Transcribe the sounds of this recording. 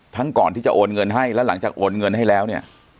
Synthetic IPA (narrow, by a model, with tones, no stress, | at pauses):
t̪ʰa˦˥ŋkɔː˨˩nt̪ʰiː˥˩t͡ɕa̰˨˩ʔoː˧nŋɤ˧nɦa˥˩jlɛː˦˥wla̰˨˩˦ŋt͡ɕaː˨˩k̚ʔoː˧nŋɤ˧nɦa˥˩jlɛː˦˥wni˥˩ɐ